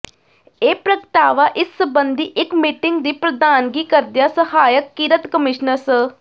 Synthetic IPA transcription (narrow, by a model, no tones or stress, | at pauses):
eːpɾəkt̪aːʋaːʔɪsːəbənd̪iːʔɪkmiːʈɪŋɡd̪iːpɾəd̪aːnɡiːkəɾd̪ɪjaːsəhaːjəkːiːɾət̪kəmɪʃnəɾsə